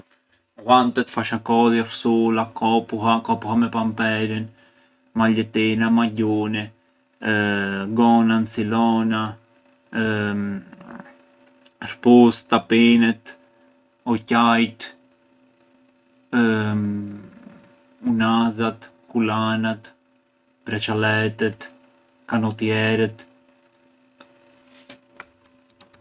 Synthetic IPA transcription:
ɣant̪ɛt̪faʃakɔðirsulakɔpuɦakɔpuhamɛpampɛɾin | maʎɛt̪inamaɟuni | ɡɔnant͡silɔna | ɾpust̪apinɛt̪ | ɔcajt̪ | unazat̪ | kulanat̪ | pɾɛt͡ʃalɛt̪ɛt̪ | kanɔt̪jɛɾɛt̪

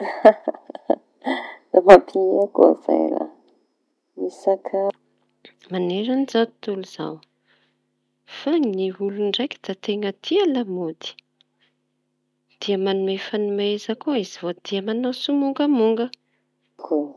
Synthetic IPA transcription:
lamapʰiiako̰z̥a̰jɾa̰ | misakʰa | maneɾanizat̪t̪uluz̥a̰w | faŋniuluɳɖ͡ʐajkʲi̥d̪̥at̪eŋət̪ʰialamod̪i̥ | d̪̥iəmanumefanimezakoizivod̪̥iəmanosumuŋɡəmuŋɡə | ko

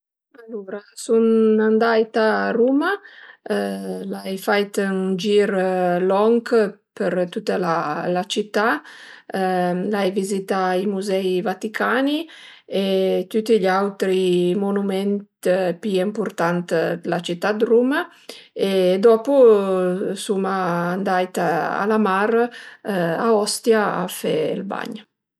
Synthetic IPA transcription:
alːuɾasunand̪ajt̪aruma | lajfajt̪nd͡ʒiɾlɔŋkpəɾt̪ut̪ːalalat͡ʃit̪ːa | lajvizit̪aimuzɛjvat̪ikʰaniet̪ut̪iʎawt̪ɾimonumɛnt̪piɛmpuɾt̪ant̪lat͡ʃit̪ːad̪ruma | ed̪ɔpu | sumaːnd̪ajt̪aa̰lamaɾ | aɔst̪jaa̰fɛ̰lba̰ɲ

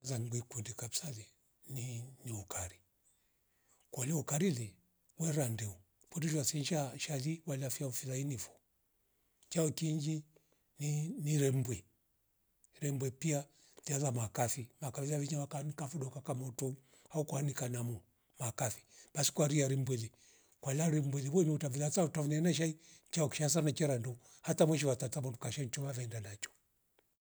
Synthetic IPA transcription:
zaŋɡwikundikabisalɛ | niniɔkaɾi | kwaliɔkaɾilɛ | wɛɾandɛu | kɔdid͡ʒwasɛɲʃaʃaliwalafiaufilainifɔ̥ | t͡ʃaɔkiɲd͡ʒi | niniɾɛmbwɛ | ɾɛmbwɛpia | tialamakafimakafiaviɲawakanikafuɗɔkakamɔtɔ | haukuanikanamu | makafi̥ɓasi̥kwaɾiaɾimbwɛlɛ | kwalaɾim̩bwɛlɛβɔniutaviatautaunɛnaʃ̬ait͡ʃaɔki̥ʃas̬anat͡ʃɛɾandɔ | hatamwɛʃ̬iwatatabɔndukaʃaiɲt͡ʃɔβavɛndanat͡ʃɔ̥

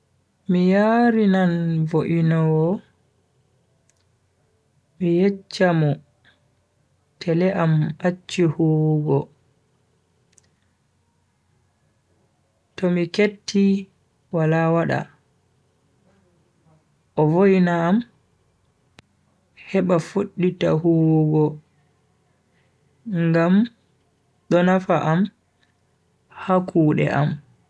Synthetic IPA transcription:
mijaɾinanvoʔinɔwɔ | mijet͡ʃːamɔ | tʰɛlɛʔamat͡ʃːihuɡɔ | tɔmiketːi | walawaɗa̰ | ʔɔvojnaːm | hɛɓafoɗːitahoɡɔ | ŋɡam | ɗɔnafaʔam | hakʰuːɗɛ̰ʔa̰m

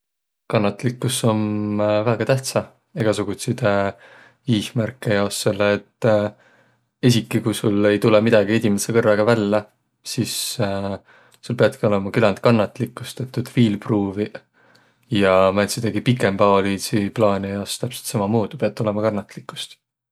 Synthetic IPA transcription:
kɑnːɑt̪ːˑlikːˑuso̞mvæːɡ̥ɑt̪æht̪sɑ | eɡ̥ɑsuɡ̥ut̪sid̪̥ | iːhmærkːˑejɑosse̞lːeːt̪ː | es̬ʲikːˑikujsulːe̞jt̪ulemid̪̥ɑɡ̥ie̞d̪ʲimesekɤrːɑɡ̥ɑvælːɑ | sis | sulpeɑd̪̚kio̞lemɑkylɑnt̪kɑnːɑt̪ːˑlikːˑust̪et̪ːˑud̪̥viːlpruːvi | jɑmænsid̪̥ɑɡipikːˑe̞mbɑːliːsiplɑːnʲijɑost̪æpse̞lt̪sɑmɑmoːd̪̥upeɑt̪ːˑo̞le̞mɑkɑnːɑt̪ˑlikːˑu̥st̪

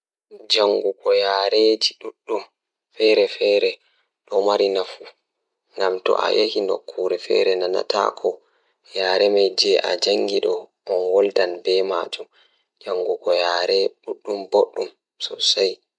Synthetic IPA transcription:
d͡ʒaŋɡuɡɔjaːɾed͡ʒiɗuɗːum | fɛɾɛfɛːɾɛ | ɗɔmaɾinafu | ŋɡamtɔ̰ʔa̰jehino̰kʰːuɾɛfɛ̰ɾɛnana̰ta̰kʰɔ | jaːɾɛmajd͡ʒɛʔa̰d͡ʒaŋɡiɗɔʔɔnwɔldanbɛma̰d͡ʒum | d͡ʒaŋɡuɡɔjaːɾɛɗuɗːumboɗːum | sɔ̰saj

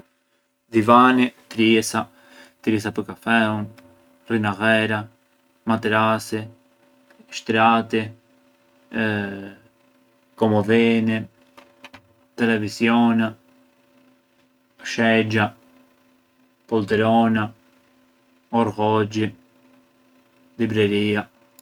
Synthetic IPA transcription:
d̪ivanit̪ɾisa | t̪ɾɛs̬apəɾkafɛun | rinaɣɛɾa | mat̪ɛɾasi | ʃt̪ɾat̪i | kɔmɔðɛni | t̪ɛlɛvisjɔna | ʃɛd͡ʒa | pɔlt̪ɛɾɔna | ɔɾɣɔd͡ʒi | libɾɛɾia

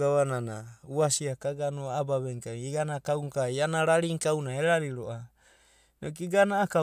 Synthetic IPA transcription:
aβananauasiakaɡanoabaβeŋkaŋiɡanakauŋkajanaɾaɾiŋkawnaeɾaɾiɾoʔa | nok̬iɡanaːka

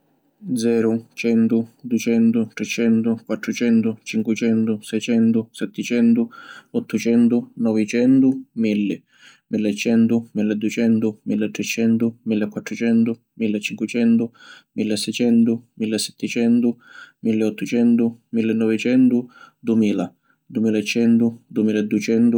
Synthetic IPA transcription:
d̪zɛːɾʊt͡ʃɛnt̪ʊd̪ut͡ʃɛnt̪ʊt̪ɾɛt͡ʃɛnt̪ʊkwat̪ːɾʊt͡ʃɛnt̪ʊt͡ʃiŋkwɪt͡ʃɛnt̪ʊsɛjt͡ʃɛnt̪ʊsɛt̪ːɪt͡ʃɛnt̪ʊɔt̪ːʊt͡ʃɛnt̪ʊnɔvɪt͡ʃɛnt̪ʊmilːɪ | milːet͡ʃɛnt̪ʊmilːed̪uet͡ʃɛnt̪ʊmilːet̪ːɾɛt͡ʃɛnt̪ʊmilːekːwat̪ːɾʊt͡ʃɛnt̪ʊ | milːet͡ʃːiŋkwɪt͡ʃɛnt̪ʊmilːesːɛjt͡ʃɛnt̪ʊmilːesːɛ̥t̪ːɪt͡ʃɛnt̪ʊmilːeɔt̪ːʊt͡ʃɛnt̪ʊmilːenːɔvɪt͡ʃɛnt̪ʊd̪uemiːla | d̪uemiːlaet͡ʃːɛnt̪ʊd̪uemiːlaɛd̪ːuet͡ʃɛnt̪u

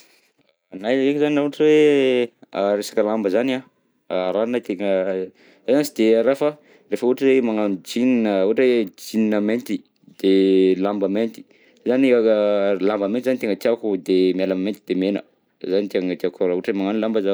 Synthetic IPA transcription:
najekzaniauʈ͡ʂiwe | aɾesḁkəlambəzana | ɾanat̪eŋə | azansid̪eaɾafə | refəuʈ͡ʂəemaŋand͡ʒininəuʈ͡ʂed͡ʒininəment̪i | d̪̥elambəment̪i̥ | zani | lambəmenizanit̪eŋɡət̪iakud̪emialamment̪id̪̥emenə̰ | zanit̪eŋət̪iakaɾauʈ͡ʂemaŋanilambəza

